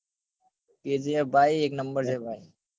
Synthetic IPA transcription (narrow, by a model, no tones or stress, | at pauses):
peːd͡ʒebʱaːiːeːknəmbəɾsebʱaːiː